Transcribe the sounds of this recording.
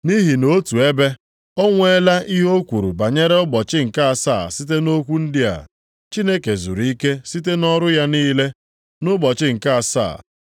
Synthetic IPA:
ni˦ɦi˨no˦tu˨e˦be˦ | ɔ˦ŋʷe˦la˦ʔi˦ɦo˦kʷu˨ɾṵ˨ba˨ɲe˦ɾe˦ʊ˦bɔ˨t͡ʃɪ˦ŋ̩˨ka˦a˨sa̰˦˨si˦t̬e˦no˦kʷu˦n̩˦dɪ˦a̰˨ | t͡ʃi˦ne˦ke˨zṵ˨ɾi˦ke˦si˦te˦nɔ˦ɾʊ˦ja˦niː˦le˦ | nʊ˦bɔ˨t͡ʃɪ˦ŋ̩˨ka˦a˨sa̰ː˦˨

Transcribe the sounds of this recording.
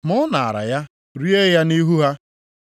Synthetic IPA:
mʊ˦na˨a̰˨ɾa̰˨ja˦ | ɾi˦e˦ja˦ni˦ɦu˦ɦa˦

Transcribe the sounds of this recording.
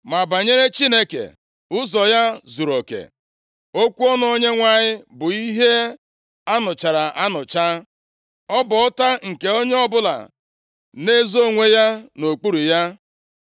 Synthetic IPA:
ma˨ba˨ɲe˦ɾe˦t͡ʃi˦ne˦kḛ˨ | ʊ˦zɔ˨ja˦zu˨ɾo˨kḛ˨ | o˦kʷu˦ɔ˦n˨o˦ɲe˦ŋʷa˨ɲɪ˦bʊ˨i˦ɦe˦ | a˦nʊ˨t͡ʃa˨ɾa˨ʔa˦nʊ˨t͡ʃa˦ | ɔ˦bɔ˨ɔ˦ta˦ŋ̩˨ke˨o˦ɲe˦ɔ˦bʊ˦la̰˨ | ne˦zo˦˨ŋʷe˦ja˦no˨k͡pu˦ɾu˨ja˦

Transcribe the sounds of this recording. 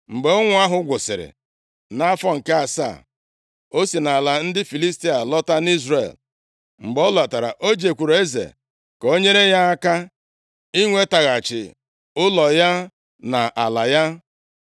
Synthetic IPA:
ŋ͡m̩˨ɡ͡be˨˦o˦ŋʷʊ˦a˦ɦʊ˦ɡʷʊ˨sɪ̰˨ɾɪ̰˨ | na˦fɔ˦ŋ̩˨ke˦a˨sa̰˦˨ | o˦si˨na˨la˨n̩˦dɪ˦fi˨li˦sti˦a˨lɔ˦ta˦ni˦zɾḛ˨l | ŋ͡m̩˨ɡ͡bɔ˦la˨ta˨ɾa̰˨ʔo˦d͡ʒe˨kʷu˨ɾo˨e˦zḛ˨ | ko˦ɲe˦ɾe˦ja˦a˦ka˦ | i˦ŋʷe˦ta˨ɣa˨t͡ʃɪ̰˨ | ʊ˦lɔ˨ja˦ | na˨ʔa˨la˨ja˦

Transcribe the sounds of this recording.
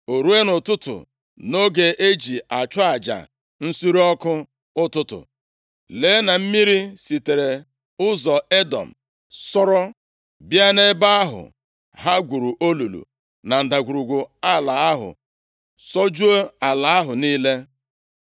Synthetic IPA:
o˨ɾu˦e˦nʊ˨tʊ˦tʊ̰˨ | no˦ɡe˨ʔe˦d͡ʒi˨a˨t͡ʃʊ˦a˨d͡ʒa̰˨ | n̩˦su˦ɾi˦ɔ˦kʊ˦ | ʊ˦tʊ˦tʊ̰˨ | leː˨˦na˨m̩˦mi˦ɾi˦si˨te˨ɾe˨ | ʊ˦zɔ˨e˦dɔ̰˨m̩˨ | sɔ˦ɾɔ˦ | bja˦ne˦ba˦a˦ɦʊ̰˨ | ɦa˦ɡʷu˨ɾu˨ʔo˦lu˨lṵ˨ | na˨n̩˨da˨ɡʷu˨ɾu˨ɡʷʊ˨a˦la˨a˦ɦʊ̰˨ | sɔ˦d͡ʒu˦o˦a˨la˨a˦ɦʊ˨niː˦le˦

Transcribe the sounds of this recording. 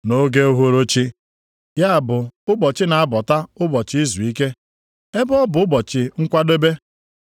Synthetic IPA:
no˦ɡe˦o˦ɦo˦ɾo˦t͡ʃi˦ | ja˦a˨bʊ˨ʊ˦bɔ˨t͡ʃɪ˦na˨a˦bɔ˨ta˦ʊ˦bɔ˨t͡ʃɪ˦i˦zu˨i˦ke˦ | e˦bɔ˦bʊ˨ʊ˦bɔ˨t͡ʃɪ˨ŋ̩˦kʷa˦de˦be˦

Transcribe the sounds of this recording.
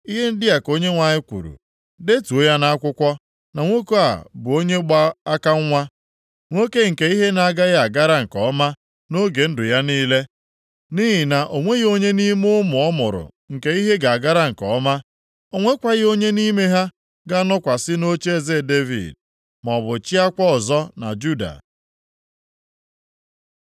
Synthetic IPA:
i˦ɦe˦n̩˦dɪ˦a˨ko˦ɲe˦ŋʷa˨ɲɪ˦kʷṵ˨ɾṵ˨ | de˦tu˨o˦ja˦na˦a˦kʷʊ˦kʷɔ˦ | na˨ŋʷo˦ko˦a̰˨bʊ˨o˦ɲe˦ɡ͡ba˦a˦ka˦ŋ̩ʷ˦a˦ | ŋʷo˦ke˦ŋ̩˨ke˨i˦ɦe˦na˨a˨ɡa˦ja˦a˨ɡa˦ɾa˦ŋ̩˨kɔ̰˨˦ma˦ | no˦ɡe˨n̩˦dʊ˨ja˦niː˦le˦ | ni˦ɦi˨na˨ʔo˨ŋʷe˦ɣo˦ɲe˦ni˦mʊ˦mʊ˨ɔ˦mʊ˨ɾʊ̰˨ | ŋ̩˨ke˦i˦ɦe˦ɡa˨a˨ɡa˦ɾa˦ŋ̩˨kɔ˨˦ma˦ | o˨ŋʷe˦kʷa˨ɣɪ˦o˦ɲe˦ni˦me˦ɦa˦ | ɡa˦nɔ˦kʷa˨sɪ˦no˦t͡ʃe˦˨ze˦˨de˦vḭ˨d̚ | mɔ˨bʊ˨t͡ʃi˦a˦kʷɔ˦ɔ˨zɔ˦na̰˨d͡ʒu˦da̰˨

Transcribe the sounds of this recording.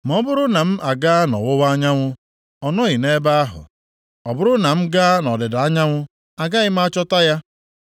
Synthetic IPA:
m˨ɔ˦bʊ˦ɾʊ˦na˨m̩˦ʔa˨ɡa˦nɔ̰˨wʊ˦wa˦ɲa˦ŋʷʊ˦ | ɔ˨nɔ˦ɣɪ˨ne˦ba˦a˦ɦʊ̰˨ | ɔ˨bʊ˦ɾʊ˦na˨m̩˦ɡa˦nɔ˨dɪ˨da˨a˦ɲa˦ŋʷʊ˦ | a˨ɡa˦ɣɪ˦m̩˦a˦t͡ʃɔ˦ta˦ja˦

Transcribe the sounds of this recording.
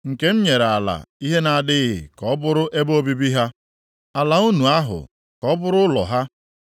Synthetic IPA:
ŋ̩˨ke˦m̩˦ɲe˨ɾa˨la̰˨i˦ɦe˦na˨dɪ˦ɣɪ̰˨kɔ˨˦bʊ˦ɾʊ˦ʔe˦bo˦bi˦bi˦ɦa˦ | a˨la˨u˦nu˨a˦ɦʊ̰˨ | kɔ˦bʊ˦ɾʊ˦lɔ̰˨ɦa˦

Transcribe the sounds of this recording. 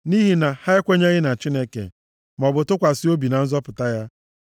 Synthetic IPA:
ni˦ɦi˨na˨ha˦ɪ˦kʷe˦ɲe˦ɣɪ˦na˨t͡ʃi˦ne˦kḛ˨ | m˨ɔ˨bʊ˨tʊ˦kʷa˨sɪ˦o˦bi˨na˨n̩˦zɔ˦pʊ˨ta˦ja˦

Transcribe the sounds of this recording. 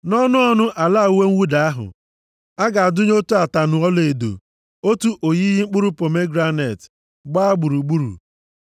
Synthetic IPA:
nɔ˦nʊ˦ɔ˦nʊ˦ʔa˨la˦˨u˨˦we˦ŋ̩˦wu˦da˨a˦ɦʊ̰˨ | a˦ɡa˨a˨dʊ˦ɲ˦o˦tu˦a˨ta˨nʊ˨ɔ˦le˨do̰˨ | o˦tu˦ʔo˨ji˦ɦi˦ŋ͡m̩˦k͡pu˦ɾu˦po˨me˦ɡɾa˦ne˨t | ɡ͡ba˦a˦ɡ͡bu˨ɾu˨ɡ͡bu˦ɾṵ˨

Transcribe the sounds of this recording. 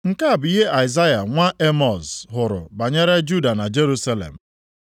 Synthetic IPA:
ŋ̩˦ka˦a˨bʊ˨˦i˦ɦe˦ʔa˨ɪ˨za˦ja˨ŋʷa˦ʔe˦mɔ˨zɦʊ˨ɾʊ̰˨ba˨ɲe˦ɾe˦d͡ʒu˦da˨na˨d͡ʒe˦ɾu˦sa˦lḛ˨m̩˨

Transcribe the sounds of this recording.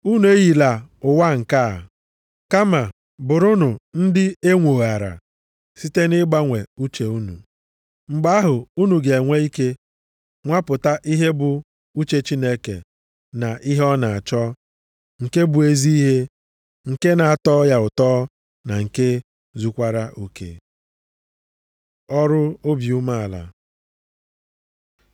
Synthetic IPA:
u˦nu˨e˦ɣi˨la˨ʊ˨wa˦ŋ̩˨ka˦˨ | ka˦ma˨ | bʊ˨ɾʊ˦nʊ˨n̩˦dɪ˦e˦ŋʷo˨ɣa˨ɾa̰˨ | si˦te˦nɪ˦ɡ͡ba˦ŋʷe˨u˦t͡ʃe˨u˦nṵ˨ | ŋ͡m̩˨ɡ͡ba˦a˦ɦʊ˨u˦nu˨ɡe˨ŋʷe˦i˦ke˦ | ŋʷa˦pʊ˨ta˦ʔi˦ɦe˦bʊ˨ | u˦t͡ʃe˨t͡ʃi˦ne˦kḛ˨ | na˨ʔi˦ɦɔ˦na˨a˨t͡ʃɔ˦ | ŋ̩˨ke˦bʊ˨e˦zi˦i˦ɦe˦ | ŋ̩˨ke˦na˨a˨tɔː˦ja˨ʊ˨tɔː˦ | na˨ŋ̩˨ke˦ | zu˦kʷa˦ɾa˦ʔu˦kḛ˦ | ɔ˦ɾʊ˦o˦bju˦ma˦a˨la̰˨

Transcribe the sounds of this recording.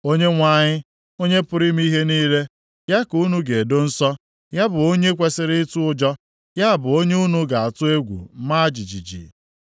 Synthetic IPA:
o˦ɲe˦ŋʷa˦˨ɲɪ˦ | o˦ɲe˦pʊ˦ɾi˦mi˦ɦe˦niː˦ɾe˦ | ja˦ku˨˦nu˦ɡe˨do˦n̩˦sɔ˦ | ja˦bʊ˨o˦ɲe˦kʷe˨sɪ˦ɾɪ˦tu˦ʊ˦d͡ʒɔ˦ | ja˦˨bʊ˨o˦ɲe˦u˦nu˦ɡa˨a˨tʊ˦e˦ɡʷṵ˨m̩˦ma˦a˦d͡ʒi˨d͡ʒi˨d͡ʒḭ˨

